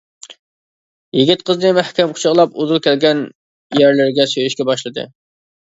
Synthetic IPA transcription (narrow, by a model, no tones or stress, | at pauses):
jɪɡʲɪt̪̚qʰəznɨmæhkʲɛmqʰʊ̥t͡ʃʰəʁlˠɑpuzulˠkʲɛlɡʲɛn | jæɾlɪɾɡʲɛsøjyʃkʲɛbɑʃlˠɨd̪ɨ̰